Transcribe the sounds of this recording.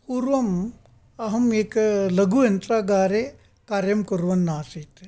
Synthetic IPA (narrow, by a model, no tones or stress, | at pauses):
puɾʋɐm | ɐɦɐmeːklɐɡujɐnt̪ɾaːɡaːɾe | kaːɾjɐmkɐɾʋɐnːaːsit̪e